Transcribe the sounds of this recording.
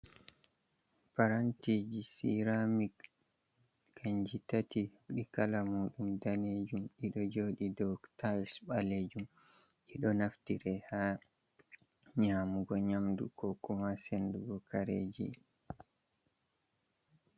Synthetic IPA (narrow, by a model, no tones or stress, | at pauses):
paɾantid͡ʒisḭɾamik | kaɲd͡ʒitatiuɗikalamuːɗumdaned͡ʒumʔiɗɔd͡ʒoːɗidɔktajsɓaleːd͡ʒum | ʔiɗɔnaftiɾɛha | ɲaːmuɡɔɲamdṵkɔkumasenduɡɔkaɾeːd͡ʒḭ